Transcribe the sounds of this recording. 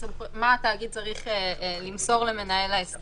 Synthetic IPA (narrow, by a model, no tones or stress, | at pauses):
pmat̪aːɡid̪̚t͡saʁiχelimso̞ʁle̞me̞nae̞laes